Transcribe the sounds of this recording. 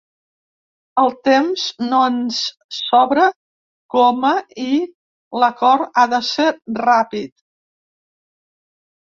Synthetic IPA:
əlˠt̪emznoəns | sɔβɾə | kɔməi | ləkɔɾaðəseɾrapit̪̚

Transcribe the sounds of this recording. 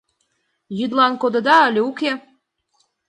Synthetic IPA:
jyd̪lɑnkod̪ɤ̆d̪ɑəlʲeuke

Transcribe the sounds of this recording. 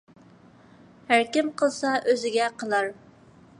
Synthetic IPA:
hæɾkʲimqʰəlˠsɑʔøzɪɡʲɛqʰəlˠɑɾ

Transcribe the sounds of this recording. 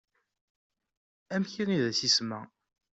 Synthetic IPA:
æmçiniðæsismæ

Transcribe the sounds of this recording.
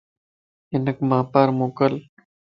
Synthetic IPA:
inɐkmaːpaːɾmoːkɐl

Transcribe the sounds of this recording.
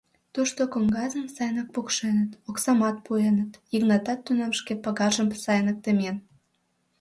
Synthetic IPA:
t̪uʃt̪okoŋɡɑzəmsɑjnək̚pukʃenət̪oksɑmɑt̪̚puenət̪iɣnɑt̪ɑt̪ːynɑmʃkepɑɣɑʒəmsɑjnək̚t̪əmen

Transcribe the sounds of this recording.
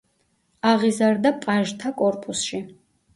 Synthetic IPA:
aʁizard̪apʼaʒt̪ʰakʼɔrpʼusʃi

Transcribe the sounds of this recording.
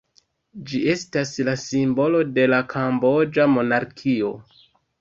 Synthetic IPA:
d͡ʒie̞staslasimbo̞lo̞de̞lakʰambo̞d͡ʒamo̞naɾkʰio̞

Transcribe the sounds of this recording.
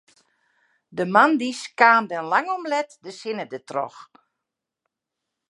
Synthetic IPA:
dəmandiskaːndɛnlaŋɔmlɛtdəsɪnədətrɔ̰x

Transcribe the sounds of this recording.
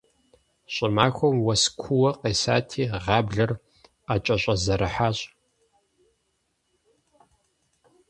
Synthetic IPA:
ɕʼɪmaːxʷɔmwɐskʷʰʊwɐqeːsa̰ːtʰiːʁɑːbɮɐr | aːt͡ʃʼɐɕʼɐzɐɾɨħaːɕʼ

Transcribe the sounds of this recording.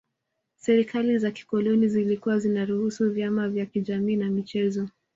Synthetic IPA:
sɛɾikalizaki̥kɔlɔnizilikuwazinaɾuhusuvjamavjakiʄamiːnamit͡ʃɛzɔ

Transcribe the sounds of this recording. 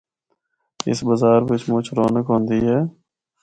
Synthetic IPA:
ɪ̰sbəzaːɾʋɪt͡ʃmʊt͡ʃʰɾoːnəkɦõːnd̪iːɦɛː

